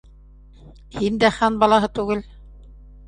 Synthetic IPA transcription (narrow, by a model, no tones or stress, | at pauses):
hind̪æχɑnbɑlˠɑɦɤt̪ʉɡɘl